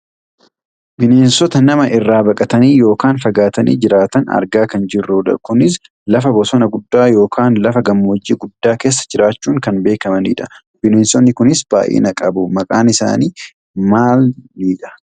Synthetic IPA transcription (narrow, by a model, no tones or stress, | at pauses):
bɪneːnsɔt̪ɐnɐmɐʔɪrːaːbɐkʼɐt̪ɐniːjo̞ːkaːnfɐɡaːt̪ɐnḭːd͡ʒɪɾaːt̪ɐnɐ̰ɾɡaːkɐnd͡ʒɪrːuːᶑɐ̰kʊnɪs | lɐfɐbɔsɔnɐɡʊd̪ːaːjo̞ːkʰaːnlɐfɐɡɐmːoːd͡ʒːiːɡʊd̪ːaːke̞ːs̬ːɐ̥d͡ʒɪɾaːt͡ʃːuːŋkɐnbe̞ːkɐmɐnḭːᶑɐ | b̥ɪneːnsɔnːɪkʊnɪsb̥a̰ːjʔḛːnɐkʼɐbʊmɐkʼaːnɪsa̰ːniː | maːlniːᶑɐ̥